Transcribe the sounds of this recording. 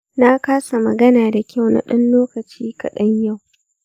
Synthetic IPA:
na˦kaː˦sa˨mɐ˨ɡɐ˦naː˨da˨kʲa˦˨wna̰˦˨ɗɐ˦nloː˦kɐ˨t͡ʃiː˦kɐ̰˨ɗɐ˦ɲja˦˨w

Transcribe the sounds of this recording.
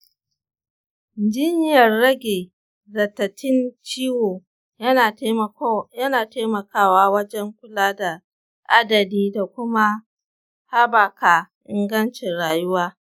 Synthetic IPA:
d͡ʒɪ˦ɲjɐ˨rːɐ˦ɡʲeː˨ | zɐ˨tːɐ˨tʰɪ˦nt͡ʃiː˦woː˨˦˨ | jɐ˦naː˨teː˦mɐ˨kaː˦waː˦wɐ˦d͡ʒɛ˦ŋkʷʊ˦laː˦da˨ | ʔa˦dɐ˨diː˦da˨kʷʊ˦ma˦ | ha˦ba˨kaː˨ʔɪ˦ŋɡɐ˦nt͡ʃɪ˨nɽaː˨jʊ˦waː˦

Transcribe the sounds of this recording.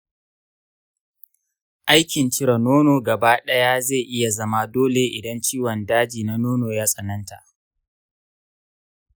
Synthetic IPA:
ʔa˦jkʲɪ˨nt͡ʃɪ˦ɾɐ˨noː˦noː˨ɡɐ˨baː˦ɗɐ˦ja˦ze˦˨ʔɪ˦ja˨zɐ˦ma˦doː˦le˨ʔɪ˨dɐ˦nt͡ʃiː˦wɔ˨ndaː˦d͡ʒiː˨na˦noː˦noː˨jaː˦sʼɐ˨nɐ˦nta̰˨ʔ

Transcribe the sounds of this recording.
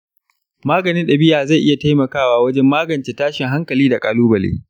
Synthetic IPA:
maː˦ɡɐ˨nɪ˦nɗa˨bɪ˦jaː˨za˦˨jʔɪ˦ja˨ta˦jmɐ˨kaː˦waː˨wɐ˦d͡ʒɛ˦mːaː˦ɡɐ˨nt͡ʃeː˨taː˦ʃɪ˨ŋɦa˦ŋkɐ˨liː˦da˨kʼaː˨luː˦bɐ˨lḛː˦

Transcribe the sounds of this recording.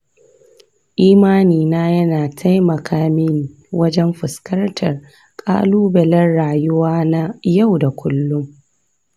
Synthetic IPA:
ʔiː˦maː˦niː˨naː˦jɐ˦naː˨tʰa˦jmɐ˨kʰaː˦mɪ˦n | wɐ˦d͡ʒɛ˦mɸɪ˨skɐ˦rtʰɐ˨r | kʼa̰ː˦luː˦bɐ˨lɐ˦nɽaː˨jʊ˦waː˦na˦ja˦˨wda˨kʷʰʊ˦lːʊ˦ŋ

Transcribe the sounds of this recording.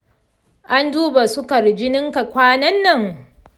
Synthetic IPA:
ʔa˦nduː˦ba˨sʊ˦kɐ˨ɾd͡ʒɪ˦nɪ˦ŋka˨kʷaː˦nɐ˦nːɐ˦˨ŋ

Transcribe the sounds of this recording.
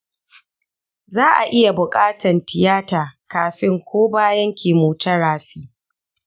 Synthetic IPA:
zaː˦ʔa˨ʔɪ˦ja˨bʊ˨kʼaː˦tʰɐ˨ntɪ˨jaː˦taː˨kaː˨ɸɪ˦ŋkʷʰoː˦baː˦jɐ˦ŋkʲʰeː˨muː˨tɐ˦ɽaː˨ɸiː˦

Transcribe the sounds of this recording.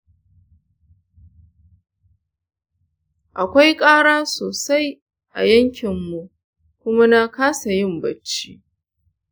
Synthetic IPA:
ʔa˨kʷa˦jkʼaː˦ɽaː˦soː˨sa˦j | ʔa̰˨jɐ˦ŋkʲɪ˨mːu˨ʔ | kʷʊ˦ma˦na˦kaː˦sa˨jɪ˦˨mbɐ˨t͡ʃːi˦

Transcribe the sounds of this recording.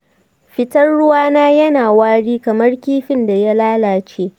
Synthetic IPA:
ɸɪ˦tɐ˦rɽʊ˦waː˦naː˦jɐ˦naː˨waː˦ɽiː˦kɐ˨mɐ˦rkʲiː˦ɸɪ˦nda˨ja˦laː˦laː˨t͡ʃeː˦

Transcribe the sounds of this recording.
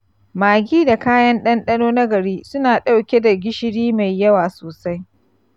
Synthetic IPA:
maː˨ɡʲiː˦da˨kaː˦jɐ˦nɗɐ˦nɗɐ˦noː˦nɐ˦ɡɐ˨ɾiː˦sʊ˦naː˨ɗa˦wkʲe˦da˨ɡʲɪ˦ʃɪ˦ɽiː˦ma˨jːɐ˦waː˨soː˨sa˦j

